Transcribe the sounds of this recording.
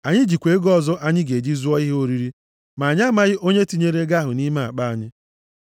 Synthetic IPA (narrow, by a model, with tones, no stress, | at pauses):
a˨ɲɪ˦d͡ʒi˨kʷe˨˦ɡɔ˦zɔ˦ʔa˦ɲɪ˦ɡe˨d͡ʒi˦zu˦ɔ˦i˦ɦe˦o˦ɾi˦ɾi˦ | ma˨ɲ˦a˦ma˦ɣɪ˦ʔo˦ɲe˦ti˦ɲe˦ɾe˦ɡa˦ɦʊ˨ni˦ma˨a̰˨k͡pa˦a˨ɲɪ˦